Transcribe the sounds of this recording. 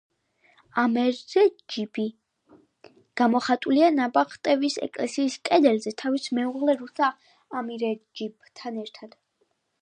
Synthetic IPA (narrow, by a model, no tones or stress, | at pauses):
amɛɾzɛd͡ʒibi | ɡ̥amɔχat̪ʼulianabaχt̪ʼɛvisɛ̰kʼlɛsiːskʼɛd̪ɛlzɛt̪ʰavismɛuʁlɛɾusaː | miɾɛd͡ʒibt̪ʰanɛɾt̪ʰad̪̥